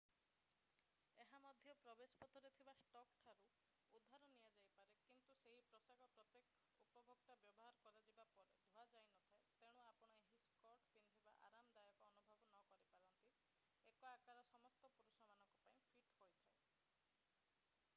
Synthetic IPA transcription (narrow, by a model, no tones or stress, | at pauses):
eɦamɔd̪ʱjɔpɾɔbesɔ̥pɔt̪ʰɔɾet̪ʰibasʈɔkʈʰaɾu | ud̪ʱːaɾɔnijad͡ʒajpaɾekint̪useɦipɾɔsaɡɔpɾɔt̪jek | upɔbʱɔk̚t̪abjɔbɔɦaɾɔkɔɾad͡ʒibapɔɾed̪ʱuad͡ʒajnɔt̪ʰaet̪eɽ̃uapɔɽ̃ɔeɦiskɔɾʈpind̪ʱiba̰ʔa̰ɾamd̪ajɔkɔːnubʱɔbɔnɔkɔɾipaɾɔnt̪i | ekɔakaɾɔsɔmɔst̪ɔpuɾusɔmanɔŋkupaĩpʰiʈhojt̪ʰae